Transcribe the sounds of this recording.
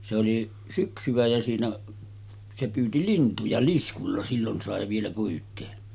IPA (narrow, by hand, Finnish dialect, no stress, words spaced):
se oli syksyʋ̆æ jæ siːnæ se pyːti lintujɑ liskulːɑ silːon sɑˑe ʋielæ pyːtˑeː